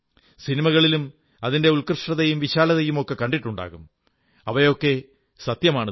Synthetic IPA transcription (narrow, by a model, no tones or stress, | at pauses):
sinimɐɣɐɭilum | ɐðinde̞ulkrɨʂʈɐðɐjumʋiɕaːlɐðɐjumo̞kːe̞kɐɳɖiʈːuɳɖa̰ːɣum | ɐʋɐjo̞kːe̞ | sɐt̪jɐmaːɳɨ